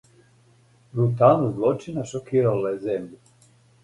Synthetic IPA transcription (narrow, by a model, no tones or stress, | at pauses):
bɾut̪anuzlˠot͡ʃinaʃokiːɾalajezemʎu